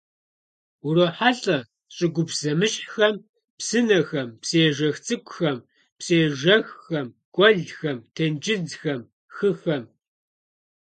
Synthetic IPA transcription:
uroːħaɬʼɐ | ɕʼɪɡʷʊpz̥ɐmɨɕʼxɐm | psɨnɐxɐmpseːʒɐxt͡sʼɨkʷʼʊxɐm | pseːʒɐxɐm | kʷʼɔɮxɐmtʰend͡ʒʼɪd͡zxɐm | xɨxɐm

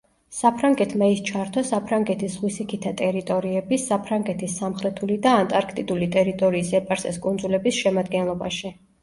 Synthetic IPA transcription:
sapʰɾaŋɡɛt̪ʰmaist͡ʃʰaɾt̪ʰɔsapʰɾaŋɡɛt̪ʰisʁwisikʰit̪ʰat̪ʼɛɾit̪ʼɔɾiɛbisapʰɾaŋɡɛt̪ʰisːamχɾɛt̪ʰulid̪aːnt̪ʼaɾkʰt̪ʼid̪ulit̪ʼɛɾit̪ʼɔɾiːsɛpʼaɾsɛ̰skʼund̪zulɛbisʃɛmad̪ɡɛnlˠɔba̰ʃi

